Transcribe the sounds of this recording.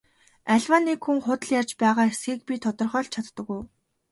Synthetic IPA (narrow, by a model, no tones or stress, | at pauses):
æɮwaːnːiːkxuŋχʊt̪ə̆ɮjart͡ɕpæːʁaːesɡiːk̚pʲit̪ʰɔt̪ɞ̆rχœːɮt͡ɕʰat̪ːə̆kuj